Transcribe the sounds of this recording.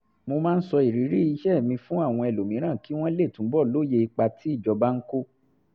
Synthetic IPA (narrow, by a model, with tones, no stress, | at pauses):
mo˧mãː˦n̩˦sɔ˧i˨ɾi˨˦ɾi˦i˧ʃɛ˦˨mĩ˧fũ˦a˦˨w̃ɔ̃˧ɛ˨lo˨mĩ˨˦ɾ̃ã˦˨ki˦w̃ɔ̃˦le˦˨tũ˨˦bɔ˦˨lo˦je˧i˧k͡pa˧tʰi˦i˦˨d͡ʒɔ˧ba˦ŋ̩˦ko˦